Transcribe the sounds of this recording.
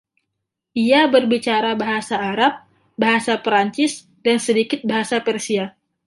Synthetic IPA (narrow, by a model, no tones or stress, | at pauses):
ʔiabərbit͡ʃaɾabaɦasaːɾap̚ | baɦasapɾaɲt͡ʃɪs | dansədikɪt̪̚baɦasapɛrsia